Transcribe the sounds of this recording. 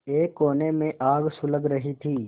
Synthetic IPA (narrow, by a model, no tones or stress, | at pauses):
eːkːoːnemẽʔaːɡsʊləɡɾɐɦit̪ʰiː